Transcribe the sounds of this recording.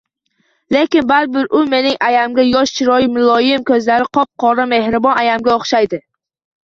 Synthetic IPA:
le̞kʲɪnbaɾbɪɾʊme̞nɪŋʔajamɡʲajɒʃt͡ʃʰɪɾɒjɪmɪlˠɒjɪmkʰɵzlaɾɪqʰɒp̚qʰɒɾame̞hɾɪbɒnajamɡʲaoχʃajd̪ɪ

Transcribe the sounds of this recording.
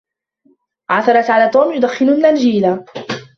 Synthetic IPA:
ʕaθɑɾˤɑt̪ʕalaːt̪ˤoːmjʊd̪axːɪnʊnːand͡ʒiːla

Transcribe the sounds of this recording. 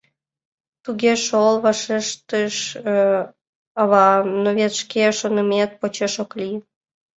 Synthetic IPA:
t̪uɣʲeʃolβɑʃeʃt̪əʃ | ɑβɑnoβet̪ʃkeʃonəmet̪̚pot͡ɕeʃokli

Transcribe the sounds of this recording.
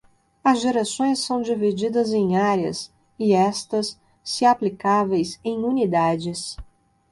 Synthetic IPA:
ɐzʒeɾasõj̃sːɐ̃w̃d͡ʒivid͡ʒid̪ɐzẽj̃aɾɐ̰s | ɪɛst̪ɐsː | ɪaplikavejsẽj̃unid̪ad͡ʒɪs

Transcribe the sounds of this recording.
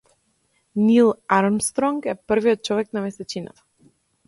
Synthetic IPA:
nilˠaɾɔmst̪ɾɔŋkɛpr̩viɔt̪̚t͡ʃɔvɛknamɛsɛt͡ʃina̰t̪ḁ

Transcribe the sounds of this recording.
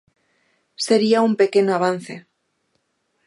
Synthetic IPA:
se̞ɾiaumpe̞ke̞noaβ̞an̟θe̞

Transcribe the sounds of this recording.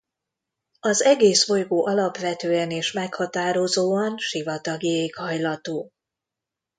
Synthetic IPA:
ɒzɛɡeːsfo̞jɡoːʔɒlɒpʋɛt̪øːɛneːʃmɛkhɒt̪aːɾo̞zoːɒnʃivɒt̪ɒɡieːkhɒjlɒt̪oː

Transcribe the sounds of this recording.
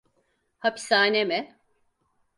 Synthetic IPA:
hapʰi̥saːnemɛ

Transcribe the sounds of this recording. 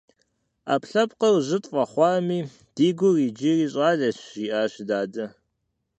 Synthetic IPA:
a̰ːpɬɐpqɐrʑɪtʼfʼɐχʷɑːmiː | d̥iːɡʷʊriːd͡ʒiriːɕʼɑːɮɐɕiːʔaːɕdaːdɐ

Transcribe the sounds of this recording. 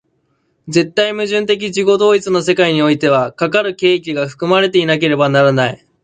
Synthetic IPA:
d͡ze̞t̪ːaimɯ̟ʑɨ̃nt̪e̞k̬ʲid͡ʑiɡo̞d̪o̞ːit͡sɨno̞se̞kaiɲ̟io̞it̪e̞β̞akakaɾɯ̟ke̞ːkʲiɡaɸɯ̟̥kɯ̟maɾe̞t̪e̞inak̬e̞ɾe̞banaɾanai

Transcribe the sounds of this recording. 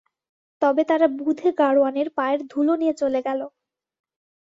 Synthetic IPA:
t̪ɔbet̪aɾabud̪ʱeɡaɽoaneɾpaeɾd̪ʱulonijet͡ɕoleɡɛlo

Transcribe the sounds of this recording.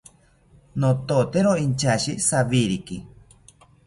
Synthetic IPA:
not̪ot̪eɾoint͡ʃaʃisaβiɾiki

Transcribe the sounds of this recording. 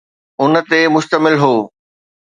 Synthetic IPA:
ʊnət̪emʊʃt̪əmɪlɦoː

